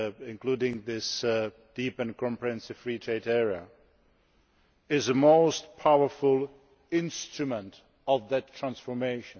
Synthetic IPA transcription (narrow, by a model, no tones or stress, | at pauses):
ɪ̃nkʰluːdɪ̃ŋðɪs | d̥ipɨ̃nkʰɔ̃mpɹihɛ̃nsɪv̥fɹiːtʰɹeɪdɛɹiə̰ | ɪzəmoʊstpʰaʊə˞fʊlˠ | ɪ̃nstɹ̥ɨmə̃nt | ɔvðɨtʰːɹ̥æ̃nsfɔ˞meɪʃə̃n